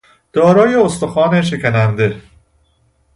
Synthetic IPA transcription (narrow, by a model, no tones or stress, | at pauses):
d̪̥ɒːɾɒːjeost̪oxɒːneʃekʰænænd̪e